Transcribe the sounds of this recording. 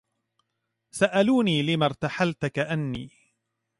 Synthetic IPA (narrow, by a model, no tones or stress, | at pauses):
saʔaluːniːlɪmaɾˤt̪aħalt̪akaʔanːiː